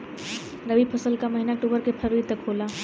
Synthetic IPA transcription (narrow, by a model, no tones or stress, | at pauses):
ɾɐʋipʰɐsəlkamɐɦɪnaʈuːbəɾkepʰɐɾuit̪ɐkʰːoːlaː